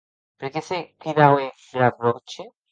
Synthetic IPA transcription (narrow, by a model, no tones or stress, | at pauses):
peɾkeset̪iɾawe | ɾapɾot͡ʃe